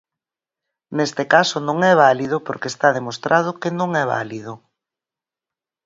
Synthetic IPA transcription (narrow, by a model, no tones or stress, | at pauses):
nest̪ɪkasʊnõŋɛβalið̞ʊpoɾkeːst̪aðemost̪ɾʔað̞ʊkenõŋɛβa̰lið̞ʊ